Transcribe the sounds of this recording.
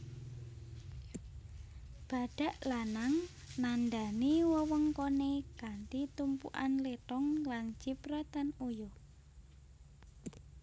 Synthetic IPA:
b̥a̤ɖ̥a̤ʔlanaŋ | nanɖa̤niwɔwɔŋkonekaɳʈ̪it̪umpṵʔa̰nleʈɔŋlant͡ʃipɾɛt̪anujo

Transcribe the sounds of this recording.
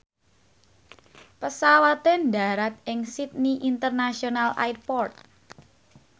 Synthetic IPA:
pəsawat̪ɛnda̤ɾat̪̚ɪŋsit̪̚niʔint̪ərnasionala̰jt̪̚pɔrt̪̚

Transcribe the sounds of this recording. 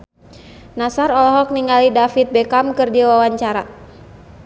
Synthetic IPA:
nasaɾɔlɔɦɔk̚niŋalidafit̪̚bɛkamkɨrdiwawaɲt͡ʃaɾa

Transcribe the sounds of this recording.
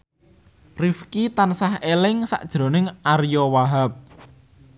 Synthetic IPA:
rifkit̪ansahelɪŋsa̰ʔd̥ʒ̥ɾo̤nɪŋʔarjɔwaɦap̚

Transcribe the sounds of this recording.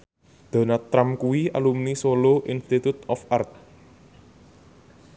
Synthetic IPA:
d̪̥a̤nat̪ːɾamkuwia̰lumnisoloʔinst̪it̪ut̪ɔfart̪̚

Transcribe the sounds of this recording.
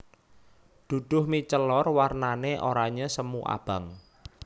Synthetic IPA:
d̪̥ṳd̪̥ʊ̤hmit͡ʃəlɔrwarnaneʔoɾaɲasəmuʔa̰b̥a̤ŋ

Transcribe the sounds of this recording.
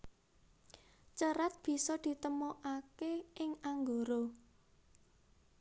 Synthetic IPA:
t͡ʃəɾat̪̚b̥i̤sɔd̪̥i̤t̪əmoʔakeʔɪŋaŋɡoɾo

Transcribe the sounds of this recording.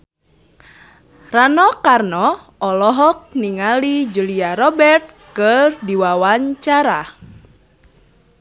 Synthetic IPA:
ranɔkarnɔ | ɔlɔɦɔk̚niŋalid͡ʒuliaɾɔbɛrt̪̚kərdiwawaɲt͡ʃaɾa

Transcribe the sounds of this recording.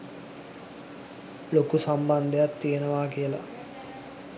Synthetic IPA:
lokusamband̪ejat̪ːijenəʋaːkijəla̰

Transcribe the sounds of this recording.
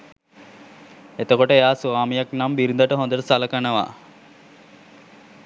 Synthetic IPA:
et̪əkoʈəejaːsuaːmijaknambiɾind̪əʈəɦõnd̪əʈəsaləkanəʋa̰

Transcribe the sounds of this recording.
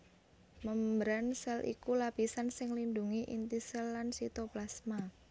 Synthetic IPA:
məmbɾansɛlʔḭkulapisansɪŋlinduŋiʔḭnt̪isɛlːansit̪oplasma

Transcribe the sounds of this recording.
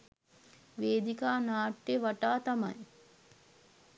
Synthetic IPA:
ʋeːd̪ikaːnaːʈːeʋaʈaːt̪ama̰j

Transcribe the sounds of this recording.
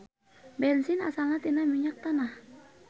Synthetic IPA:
bɛlsinasalnat̪inahmiɲak̚t̪anah

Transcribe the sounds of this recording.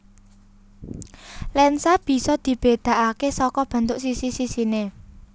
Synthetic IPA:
lɛnsab̥i̤sɔd̪̥i̤b̥e̤d̪̥a̤ʔakesɔkɔb̥ä̤nt̪ʊʔsisisisine

